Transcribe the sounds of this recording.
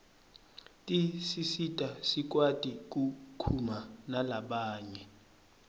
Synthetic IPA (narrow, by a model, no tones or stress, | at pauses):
tʼisisitʼasik̬ʼwatʼik̬ʼukʰumanalaɓaːɲɛ